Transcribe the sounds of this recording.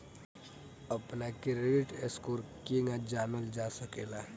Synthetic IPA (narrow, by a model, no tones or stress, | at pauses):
əpnakɪɾeɖɪʈeskoːɾkeŋɡad͡ʒaːnəld͡ʒaːsəkeːlaː